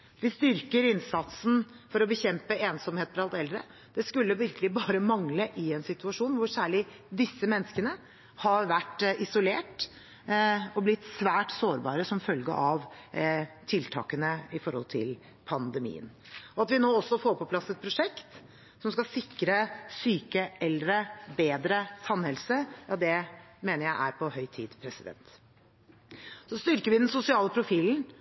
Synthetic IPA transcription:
ʋɪst̪ʏɾkəɾɪnsɑt̪sn̩ | fɔɾɔbəçɛmpəeːnsɔmheːt̪fɾɑlt̪ɛld̪ɾə̰ | d̪̥ɛskʉlːəʋɪɾkəlɪbɑːɾəmɑŋləʔɪɛnsɪt̪ʉɑʂuːnʋʊɾsæːɭɪ | d̪ɪsːəmɛnːəskənə | hɑʋæʈːɪsʊleːʈ | ɔblɪt̪ːsʋæːʈsoːɾbɑ̰ːɾəsɔmfœlɡə̰ʔɑʋ | t̪ʰɪlt̪ʰɑ̰ːkənəɪfɔɾhɔ̰lt̪ʰɪ̰l | pʰɑnd̪əmḭːə̰n | ɔɑt̪ʋɪnoːɔsːɔfoːɾpʰɔpʰlɑsɛt̪̚pʰɾʊʂɛkt̪ | sɔmskɑsɪkɾəsyːkəʔɛlːɾəbeːd̪ɾəsɑnhɛlsəjɑd̪ɛmeːnəɾjæɪʔæɾpʰɔhœʏt̪ʰḭːd̪pʰɾɛsɪd̪ɛ̰nt̪ | sɔst̪ʏɾkəɾʋɪd̪ɛnsʊsɪɑːləpʰɾʊfiːln̩

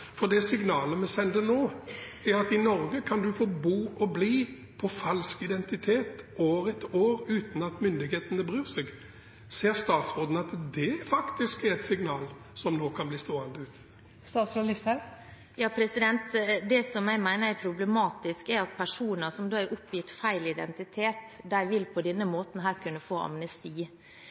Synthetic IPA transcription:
fɔd̪ɛsɪŋnɑːləmɛsɛnd̪ənoː | ɛɾɑt̪ɪnɔɾɡəkʰɑnd̪ʉfoːbuːɔbliː | pʰɔfɑlskɪd̪ɛnt̪ɪt̪ʰeːt̪oːɾɛt̪oːɾʉːt̪n̩ɑt̪mʏnd̪ɪɡheːt̪ənəbʁyːʁsɛɡ | seːʁst̪ɑːt̪sʁoːd̪n̩ɑt̪d̪ɛæfɑkt̪ɪskɛɾɛt̪sɪŋnɑːl | sɔmnoːkʰɑnbliːst̪oːɛnd̪əʉːt̪ | st̪ɑːt̪sɾolɪst̪ə | jɑːpʰɾɛsɪd̪ɛnt̪d̪ɛsɔmjæɪmæɪnəɾæɾpʰɾʊblɛmɑːt̪ɪskɛɾɑt̪̚pʰæʂuːnəɾsɔmd̪oːæɾʔʊpːjɪt̪fæɪlɪd̪ɛ̰nt̪ɪt̪ʰeːt̪d̪æɪʋɪlpʰɔd̪ɛnːəmoːt̪n̩ɦæːɾkʉnːəfoːɑ̰mnəst̪iː

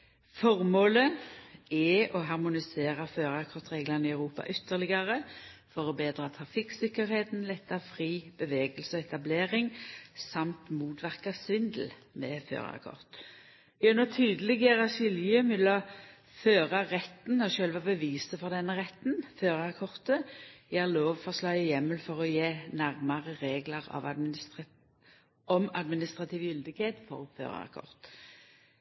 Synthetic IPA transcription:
fɔʁmoːlə | ɛʔɔɦɑʁmʊnɪseːʁɑføːʁɑkʰɔʁt̪ʁeːɡlənəɪœʉʁuːpɑ̰ʔʏt̪ːəʁlɪɡɑʁəfɔʁɔbeːd̪ɾɑt̪ʰʁɑfɪksɪkːəɾheːt̪n̩lɛt̪ːɑʁfʁiːb̥əʋeːɡəlsəɔɛt̪ɑbleːʁɪŋsɑmt̪muːt̪ʋæʁkɑsʋɪnd̪l̩ | mɛfø̰ːʁ̰ɑ̰kʰɔ̰ʁt̪ | ɪʉnət̪ʰyːd̪əlɪɡəʁɑsɪljəmɪlːɔ | føːʁɑʁɛt̪nɔʃœlʋɑbəʋiːsəfɔʁd̪ɛnːəʁɛt̪ːnføːʁəɑkʰɔʁt̪əææloːʋfɔslɑʏəjɛmːəlfɔʁɔjeːnæʁməʁəʁeːɡləʁɑ̰ʋɑ̰ | ɔmɑd̪mɪnɪst̪ʁɑt̪ʰiːʋjʏld̪ɪɡheːt̪fɔ̰ʁfø̰ːʁə̰ɑ̰kʰɔ̰ʁt̪

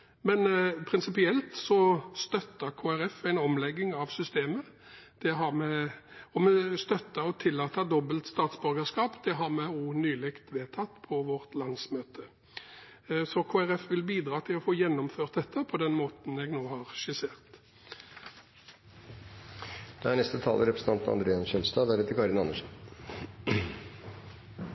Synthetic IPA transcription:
mɛnpʰʁɪnsɪpɪɛlt̪sɔst̪œt̪ːəʁkʰoːæɾɛfæɪnɔmlɛɡːɪŋɑʋsʏst̪eːmə | d̪̥ɛɦɑʁmɛɔmɛst̪œt̪ːəɾɔt̪ʰɪlːɑːt̪ɑd̪ɔbəlt̪st̪ɑːt̪sbʉɾɡəskɑːpd̪̥ɛɦɑʁmɛuːnyːlɪkt̪ʋeːt̪ʰɑt̪ːpʰɔʋɔʁt̪lɑnsmøːt̪ʰə | sɔkʰoːæɾɛfʋɪlbiːd̪ɾɑːt̪ʰɪlɔfoːjɛnːɔmføːʁt̪̚d̪ɛt̪ʰːəpʰɔd̪ɛnmoːt̪n̩ɛːɡnoːhɑʁʃɪseːʁt̪ | d̪̥ɛæɳɛst̪ət̪ʰɑ̰ləɾɛpɾəsn̩t̪ɑnt̪nɑ̰d̪ɾeːɑnʃœnst̪ɑd̪æɾɛt̪ːəɾkɑɾɪnɑnːəʂn

